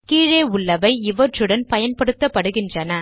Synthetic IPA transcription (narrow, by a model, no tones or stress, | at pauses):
kiːɻeːʊɭːɐʋɐɪɪʋɐʈrɯɽɐnpɐjɐnpɐɽɯt̪ːɐpːɐɽɯɣɪndrɐnɐ